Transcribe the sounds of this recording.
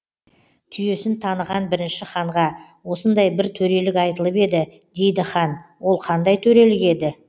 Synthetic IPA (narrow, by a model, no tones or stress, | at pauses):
t̪ʰʏje̞sɪnt̪ʰɑnəʁɑnbɪɾɪnʃɪχɑɴʁɑ | wo̞sənd̪ɑjbɪɾt̪ʰɵɾe̞lɪkɑjt̪əlˠəpe̞d̪ɪ | d̪e̞jd̪ɪχɑnwo̞lˠqʰɑnd̪ɑjt̪ʰɵɾe̞lɪkʲe̞d̪ɪ